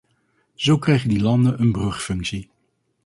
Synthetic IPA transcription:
z̥owkrɛjχəndilɑndənənbrɵχfɵŋksi

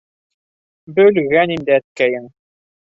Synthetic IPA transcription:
bɵ̆lɣænind̪ɘæt̪̚kæjɘŋ

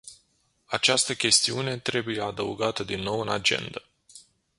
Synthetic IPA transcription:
at͡ʃast̪əkʲe̞st̪iune̞t̪ɾe̞bujead̪ə̰uɡat̪əd̪inːo̞wɨnad͡ʒe̞̰nd̪ə

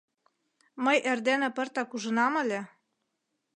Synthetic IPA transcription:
mɤjʔerd̪enĕpɤ̆rt̪ɑkuʒɤ̆nɑmɤ̆lʲe

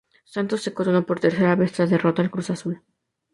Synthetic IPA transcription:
sant̪o̞sːeko̞ɾono̞po̞ɾt̪e̞ɾse̞ɾaβe̞st̪ɾaðe̞ro̞t̪aːlkɾusasul

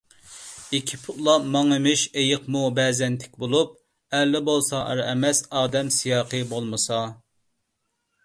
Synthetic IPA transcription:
ikʲʰi̥pʰʊt̪lˠɑmɑŋɨmɪʃejəqmubɛːzɛnt̪ʰɪ̥kʲbolˠup̚ | ɛlːɪbolˠsɑʔə̰ɾɛmɛsɑːd̪ɛmsijɑːqʰɨbolˠmɨsɑ

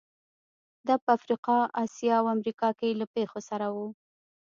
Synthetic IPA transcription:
d̪ɑpəafɾiqɑɑsjɑawamɾikɑkejlapexosaɾawu

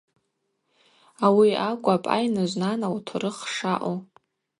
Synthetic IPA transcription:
awiakʷʼapʼa̰jnɨʒʷnanawtʰrɨχʂaʔo

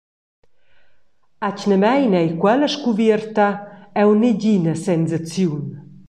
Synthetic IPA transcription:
acnəmɛjnɛjkwɛləʃkuvirt̪aɛwneɟinəsɛnzat͡sjun

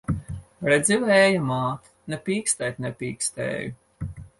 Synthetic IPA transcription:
ɾɛd̪zʲiwɛːjamaːt̪ | nɛpʲiːkst̪ɛjt̪ʲnɛpʲiːkst̪ɛ̰ːju

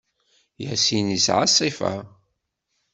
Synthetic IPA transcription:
jəsinisʕɑsˤːifa̰

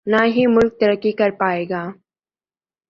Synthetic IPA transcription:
naɦimʊlk̚t̪əɾəkːikɐɾpaːeːɡaː

